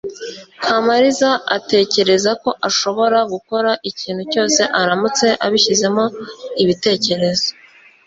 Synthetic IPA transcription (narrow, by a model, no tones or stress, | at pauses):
kʰamaɾizaʔate̞ːce̞ɾe̞zako̞ʔaʃo̞βo̞ɾaɡuko̞ɾaʔiciːn̥huco̞ːse̞ʔaɾamut͡se̞ʔaβiçize̞mo̞iβite̞ːce̞ɾe̞zo